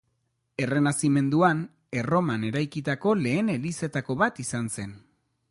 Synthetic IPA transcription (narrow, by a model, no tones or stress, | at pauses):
e̞re̞nasime̞nd̪uan | e̞ro̞mane̞ɾajkit̪ako̞le̞ːne̞lise̞t̪ako̞βat̪isanse̞n